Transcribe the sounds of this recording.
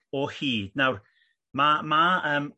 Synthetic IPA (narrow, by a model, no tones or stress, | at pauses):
ɔhiːd̥nawr | mamaəːm